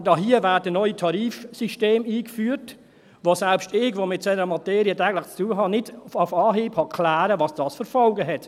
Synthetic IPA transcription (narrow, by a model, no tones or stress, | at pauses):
dɑɦiəvæːdənɔʏjitʰɑɾiːfsiʃteːmiːkfyːəɾt | vosɛlpstɪɡʋoːmɪt̚sɛnəɾəmɑtɛːɾiətɛːɡəlɪχt͡stuːəɦɑnɪdafɑːɦiːphɑkʰlæːɾəvɑsd̥ɑːsfəɾfɔlɡəɦɛt